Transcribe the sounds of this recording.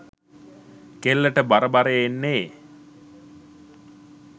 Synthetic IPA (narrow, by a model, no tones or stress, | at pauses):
kelːəʈəbaɾəbaɾeenːeː